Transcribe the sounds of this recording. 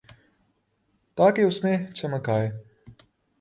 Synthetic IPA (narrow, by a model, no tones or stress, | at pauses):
t̪aːkeʊsmẽt͡ʃɐməkaːeː